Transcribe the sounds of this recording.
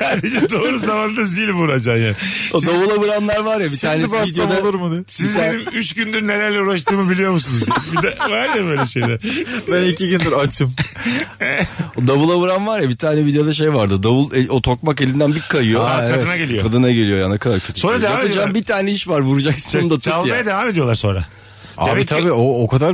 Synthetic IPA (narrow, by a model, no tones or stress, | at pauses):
saːd̪ed͡ʒɛd̪oːɾuzamand̪azilʲbuɾad͡ʒaːmjaːnod̪abulˠabɯɾanlˠaɾvaɾjabist̪ʰaːnɛaid̪jod̪alˠuɾmud̪ɯsizeɾimyt͡ʃɟynd̪yɾnelʲæɾlʲɛuɾaʃt̪ɯːmɯbilʲijo̞ɾmus̬unuzɡiibid̪ɛvaɾjabø̞jlʲɛʃejd̪ɛbænicʰiɟynd̪iɾat͡ʃʰɯm | d̪abulˠabuɾanvaɾjabit̪ʰaːnɛvid̪ejo̞d̪aʃ̬e̞jvaɾd̪ɯd̪abulˠeot̪ʰo̞k̚mak̬e̞lʲind̪ænbiɾkʰajɯjoaaɛɯnaɟelʲijokad̪ɯnaɟe̞ijo̞janekʰad̪aɾcʰøt̪ʰysonɾad̪eampɯd͡ʒaːmbit̪ʰaːnɛiʃvaɾvuɾud͡ʒaksɯ̥d̪at̪ʰamajad̪evaːme̞d̪ijolˠaɾso̞nɾa̰ | a̰it̪ʰabiːookʰad̪aɾ